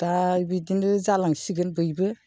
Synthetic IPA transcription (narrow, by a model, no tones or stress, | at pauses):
d̥abidinɯzalaŋsiɡɯnbɯjbɯ